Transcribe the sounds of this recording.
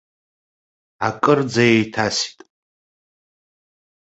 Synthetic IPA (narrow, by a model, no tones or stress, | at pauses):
akʼɨrd͡zajejtʰasi̥tʼ